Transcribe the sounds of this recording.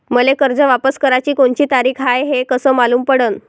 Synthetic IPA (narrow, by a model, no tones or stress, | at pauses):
məlekəɾd͡zəʋapəskəɾat͡ɕiːkoɳt͡ɕiːt̪aɾiːkʰɦajɦekəsəːmaluːmpəɽən